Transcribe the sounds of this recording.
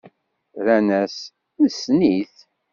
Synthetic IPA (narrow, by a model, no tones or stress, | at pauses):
ɾænæs | usniθ